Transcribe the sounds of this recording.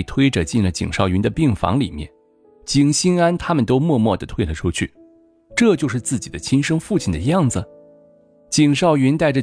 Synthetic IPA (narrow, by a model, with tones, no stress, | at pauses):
t̪ʰwe˥ɪʈ͡ʂɤ˩t͡ɕi˥˩nlə˩t͡ɕḭ˨˩ŋʂɑ˥˩ʊɥy˧˥nd̪ə˧pi˥˩ŋfɑ̰˧˥ŋlḭ˨˩mjɛ̰˥˩n | t͡ɕi˨˩ŋɕi˥na˥nt̪ʰa˥mə˨nt̪o˥ʊmwɔ˥˧mwɔ˥˩d̪ə˩t̪ʰwe˥ɪlə˨˩ʈ͡ʂʰu˥t͡ɕʰy̰˥˩ | ʈ͡ʂɤ˥˧t͡ɕjo˥˧ʊʂɻ̩˥˧t͡sɹ̩˥˩t͡ɕi˨˩d̪ə˦t͡ɕʰi˥nʂɤ˥ŋfu˥˩t͡ɕʰi˨˩nd̪ə˦˧jɑ˥˩ŋd͡zɹ̩˩ | t͡ɕi˨˩ŋʂɑ˥˩ʊɥy˧˥nt̪a˥˩ɪʈ͡ʂə˩